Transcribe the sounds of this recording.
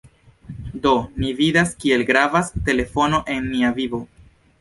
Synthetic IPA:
do̞nividaskie̞lɡɾavaste̞le̞fo̞no̞ʔe̞nːiavibo̞

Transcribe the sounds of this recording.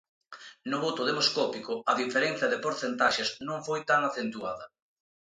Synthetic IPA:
nʊβot̪ʊðemoskɔpikʊɐðifeɾenθjɐðɪpoɾθent̪aʃesnõŋfojt̪aŋaθent̪uaðɐ

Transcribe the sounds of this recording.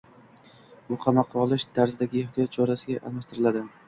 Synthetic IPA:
bʊqʰɑmɑqʰːɒlˠɪʃt̪ʰaɾzɪd̪aɡʲɪeχt̪ʰijɒt̪̚t͡ʃʰɒɾasɪɡʲaʔamaʃt̪ʰɪɾɪlad̪ɪ

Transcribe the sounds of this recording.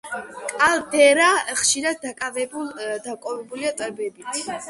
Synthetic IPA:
kʼald̪ɛɾaχʃiɾad̪ːakʼavɛd̪akʼɔvɛbuliat̪ʼwɛbɛbit̪ʰ

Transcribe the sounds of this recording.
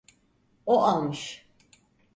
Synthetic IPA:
oʔalˠmɯʃ

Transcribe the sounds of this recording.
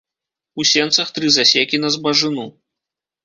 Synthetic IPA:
usʲɛnt̪sɐxt̪ɾɨzasʲekʲinɐzbɐʐɨnu

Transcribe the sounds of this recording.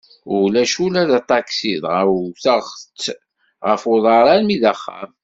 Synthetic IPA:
ulæʃulæðæt̪ˤːɑksiðʁəwθəʁt͡sː | ʁəfoðˤɑɾˤɑnmiðæχːæ̰m

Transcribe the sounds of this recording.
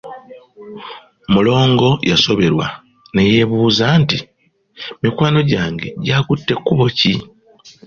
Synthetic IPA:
mulo̞ːŋɡo̞jʔaso̞βe̞ɾwa̰ | ne̞je̞βuːzaːnti | mikwaːno̞ɟaːŋɡe̞̰ɟaːkutːe̞kːuβo̞ci

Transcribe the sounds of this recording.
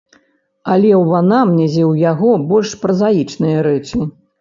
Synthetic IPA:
ɐlʲɛwvanamnʲɛzʲɛwjaɣɔbɔlʲʂpɾɐzajit͡ʂnɐjɐɾɛt͡ʂi

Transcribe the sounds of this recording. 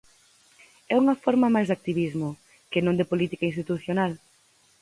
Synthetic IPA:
ɛuŋɐfɔɾmɐmajzd̪ak̚t̪iβizmʊ | kɪnõŋd̪ɪpolit̪ikainst̪it̪uθjonal

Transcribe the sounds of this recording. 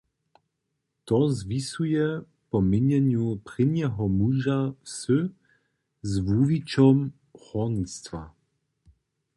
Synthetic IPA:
t̪ɔzvisujɛ | pɔmɪɲɛɲjupʁɪɲɛɦɔmuʒafsɵ | zvuvit͡ʃɔm | xɔnst̪va̰

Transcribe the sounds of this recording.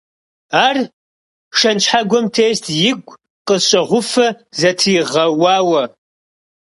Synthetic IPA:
aːr | ʂɐnt͡ʃħaɡʷɔmtʰeːstʰjɪɡʷʼ | qəɕʼɐʁʷʊfɐ | zɐtʰiːʁɐwaːwɐ

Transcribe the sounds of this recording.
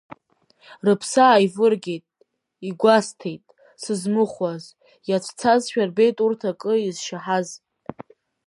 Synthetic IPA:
rɨpʰsaːjvɨrɡʲejtʼ | iɡʷastʰe̞jtʼ | sɨzmɨχaz | jat͡ʃʷʰʼt͡sʰazʃᶣarbe̞jtʼurtʰakʼɨizʃaħaz

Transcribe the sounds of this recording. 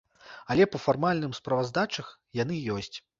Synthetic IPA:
ɐlʲɛpɐfarmalʲnɨmspɾɐvazd̪at͡ʂɐx | jan̪ɨjɔsʲt͡sʲ

